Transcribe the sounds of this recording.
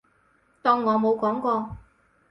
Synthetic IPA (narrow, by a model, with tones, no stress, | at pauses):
t̪ɔː˧ŋːɔː˨˧mo˨˧wkɔː˨˥ŋkɔː˧